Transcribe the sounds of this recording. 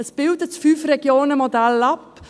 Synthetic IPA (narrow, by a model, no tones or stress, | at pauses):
əsb̥ɪldətfyːfreɡjoːnəmodælɑp